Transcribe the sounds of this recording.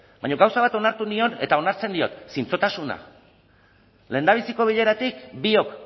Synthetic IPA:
bajɲo̞ɣawsaβ̞at̪o̞naɾt̪unio̞ne̞̰t̪ao̞naɾt͡se̞nd̪io̞t̪sint͡so̞t̪asuna̰ | le̞ːnd̪aβ̞isiko̞β̞iʎe̞ɾat̪ikbio̞k

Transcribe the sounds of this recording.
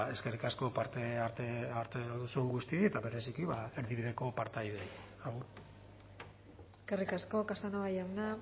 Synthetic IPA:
e̞ske̞rikasko̞paɾt̪eaɾt̪eaɾt̪eðusueŋɡust̪ieet̪aβe̞ɾesikiβae̞ɾðiβiðe̞ko̞paɾt̪ajðe̞ | auɾ | eske̞rikasko̞kasanaβajana

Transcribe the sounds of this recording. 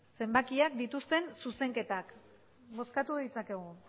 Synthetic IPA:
se̞mbakiakd̪it̪ust̪e̞nsuse̞ŋke̞t̪ak | mo̞skat̪uðit͡sake̞ɣ̞u

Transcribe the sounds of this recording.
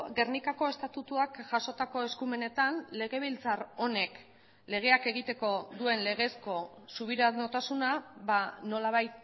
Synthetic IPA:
ɡe̞ɾnikako̞e̞st̪at̪ut̪uakʝaso̞t̪ako̞e̞skume̞ne̞t̪anle̞ɣe̞β̞ilt͡saro̞ne̞k | le̞ɣ̞e̞ake̞ɣ̞it̪e̞ko̞ðue̞nle̞ɣe̞sko̞suβ̞iɾanot̪asunaβano̞laβ̞ajt̪̚

